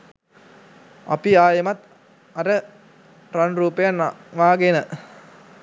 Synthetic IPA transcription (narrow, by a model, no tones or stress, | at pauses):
ɐ̰piaːjəmɐt̪ | ɐɾə | rɐnruːpəjanʋaːɡenə